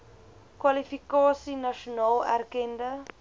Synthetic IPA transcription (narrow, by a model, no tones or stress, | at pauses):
kwalifikɑːsinaʃunɑːlæ̰rkɛndə